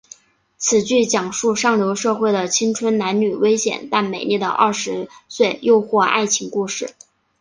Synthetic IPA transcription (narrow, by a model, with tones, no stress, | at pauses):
t͡sʰɹ̩˨˩t͡ɕy˥˩t͡ɕjɑ˨˩ŋʂu˥˧ʂɑ˥˩ŋljo˧˥ʊʂɤ˥˧xwe˥˩ɪd̪ə˩t͡ɕʰi˥ŋt͡sʰwə˥nna˧˥nny˨˩we˥ɪɕjɛ̰˨˩nt̪a˥˩nme˨˩ɪni˥˩d̪ə̰˩ʔɐ˥˩ʂɻ̩˧˥swe˥˧ɪjo˥˧ʊxwɔ˥˧a̰˥˩ɪt͡ɕʰi˧˥ŋku˥˧ʂɻ̩˥˩